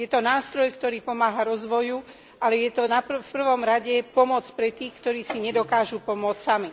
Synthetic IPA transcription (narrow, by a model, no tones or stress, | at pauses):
jɛt̪ɔnaːst̪ɾɔjkt̪ɔɾiːpɔmaːɦaɾɔzʋɔju | ʔalɛjɛt̪ɔnapfpr̩ʋɔmɾaɟɛpɔmɔt͡spɾɛt̪iːxkt̪ɔɾiːsiɲɛd̪ɔkaːʒupɔmʊɔt͡ssami